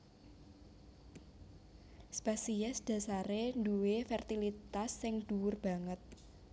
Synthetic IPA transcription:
spasiɛsd̪̥ä̤saɾenduwefɛrt̪ilit̪asːɪŋd̪̥uwʊrb̥ä̤ŋət̪̚

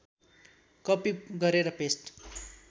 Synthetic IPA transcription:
kʌpiɡʌɾeɾʌpesʈ

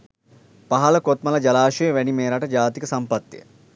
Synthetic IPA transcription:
paɦɐləkot̪mɐləd͡ʒalaːʃejəʋænimeːɾɐʈəd͡ʒaːt̪ikəsampɐt̪ːijə̰

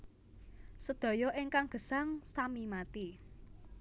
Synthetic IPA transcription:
səd̪̥ɔ̤jɔʔɪŋkaŋɡ̥ə̤saŋsamimat̪i

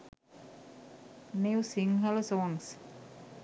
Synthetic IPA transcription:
newsiŋɦɛlosɔŋs

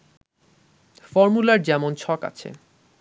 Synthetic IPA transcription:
fɔɾmulaɾd͡ʑɛmont͡ɕʰɔka̰t͡ɕʰḛ

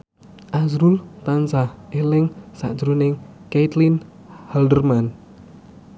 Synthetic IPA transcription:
ʔasɾult̪ansahelɪŋsa̰ʔd̥d͡ʒɾunɪŋket̪lin | haldərman

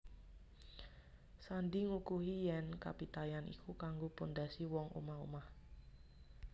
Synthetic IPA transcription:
sand̪iŋukuɦijɛnka̰pit̪ajanʔḭkʰukaŋɡopund̪asiwɔŋʔṵmaɦṵmah

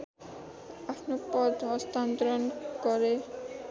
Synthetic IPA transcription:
apʰnopɔd̪ɔst̪ant̪ɾonkɔɾe

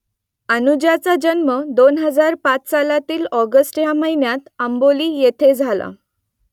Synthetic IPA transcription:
ənud͡ʑjat͡sad͡ʑənməd̪onɦəd͡zaɾpat͡ssalat̪iːlɔɡəsʈjaməɦinjat̪əmboliːjet̪ʰed͡zʱala̰

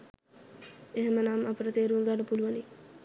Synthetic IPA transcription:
eɦemənamapəɾət̪eːɾuəŋɡaɖəpuluʋəni

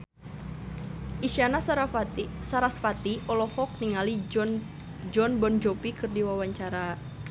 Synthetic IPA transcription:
ʔiʃiana | saɾasfat̪iʔɔlɔhɔk̚niŋali | d͡ʒɔnbɔnd͡ʒɔpikɨrdiwawaɲt͡ʃaɾa

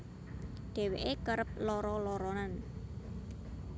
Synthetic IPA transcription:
ɖ̪̥e̤weʔekəɾəp̚lɔɾɔlɔɾɔnan

